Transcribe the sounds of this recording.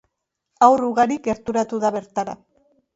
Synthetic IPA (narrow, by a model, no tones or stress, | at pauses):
awruɣaɾikɡe̞ɾt̪uɾat̪uðaβe̞ɾt̪aɾa̰